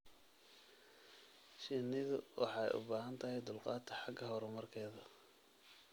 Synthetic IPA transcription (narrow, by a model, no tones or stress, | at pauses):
ʃiːnɪðʊwʔɑħɑɛ̰jʔʊ̰baːɦɐnt̪ʰɐɦɛjd̪ʊlqɑːt̪ʰɐ̥ħɑɡɐɦɔɾɔmɐrkʰɛːðɐ